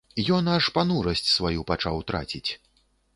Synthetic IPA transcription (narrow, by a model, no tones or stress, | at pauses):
jɔnɐʂpanuɾɐsʲt͡sʲsvajupat͡ʂawt̪ɾa̰t͡sʲit͡sʲ